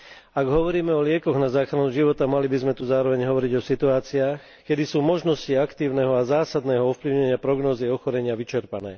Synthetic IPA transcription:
aɡɦɔʋɔɾiːmɛɔlɪɛkɔɣnazaːxɾanuʒiʋɔt̪amalibizmɛt̪uzaːɾɔʋɛɲɦɔʋɔɾiɟɔsit̪uaːt͡siaːx | kɛd̪isuːmɔʒnɔsciakt̪iːʊnɛɦɔazaːsad̪nɛːɦɔɔfpliʊɲɛɲɪapɾɔɡnɔːziɔxɔɾɛɲɪaʋit͡ʃɛɾpanɛ̰ː

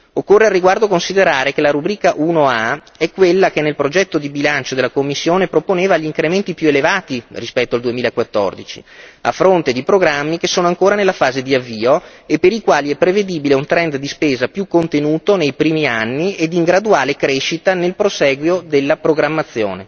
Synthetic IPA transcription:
okːorːearːiɡward̪okonsid̪eɾaːɾekelaɾubɾiːkaʔunoa | ɛkːwelːakenːelpɾod͡ʒɛt̪ːod̪ibilant͡ʃod̪elːakomːisːjoːnepɾoponeːvaʎiŋkɾement̪ipjuelevaːt̪irispɛt̪ːoald̪uemiːlaekwat̪ːɔ̰rd̪it͡ʃḭa̰fɾont̪ed̪ipɾoɡɾamːikesːoːnoaŋkoːɾanelːafaːzed̪iavːiːoepːeɾikwaːliɛpːɾeved̪iːbileunt̪ɾɛnd̪d̪ispeːzapjukːont̪enuːt̪onejpɾiːmianːied̪iŋɡɾad̪uaːlekɾeʃit̪anelpɾosɛːɡwjod̪elːapɾoɡɾamːat̪sːjo̰ːne

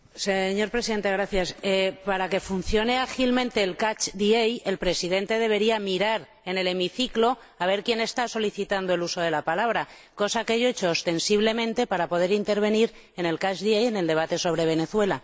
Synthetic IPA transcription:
seɲo̞ɾpɾesiðe̞nt̪e̞ɣ̞ɾaθjasepaɾake̞fun̟θjo̞ne̞axilmẽnt̪e̞ːlkat͡ʃd̪ieje̞lpɾe̞siðe̞nt̪e̞ð̞e̞βe̞ɾiamiɾaɾ | e̞ne̞le̞miθiklo̞ | aβ̞e̞ɾkje̞ne̞st̪aso̞liθit̪and̪oe̞luso̞ð̞e̞lapalaβ̞ɾa | ko̞sakeeʝoet͡ʃo̞ːst̪e̞nsiβle̞mẽ̞nt̪e̞paɾapo̞ð̞e̞ɾint̪e̞ɾβ̞e̞niɾ | e̞ne̞lkat͡ʃðieje̞ne̞ld̪e̞β̞at̪e̞so̞β̞ɾe̞β̞e̞ne̞θwe̞la

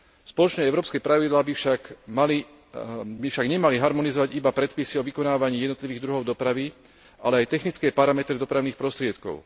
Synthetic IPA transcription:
spɔlɔt͡ʃnɛːɛʊɾɔːpskɛːpɾaʋid̪laːbifʃakmali | bifʃaɡɲɛmaliɦaɾmɔnizɔʋaɟibapɾɛt̪pisiɔʋikɔnaːʋaɲiːjɛd̪nɔt̪liʋiːɣd̪ɾuɦɔʊd̪ɔpɾaʋi | ʔa̰lɛajt̪ɛxnit͡skɛːpaɾamɛt̪ɾid̪ɔpɾaʊniːxpɾɔst̪ɾɪɛt̪kɔ̰ʊ

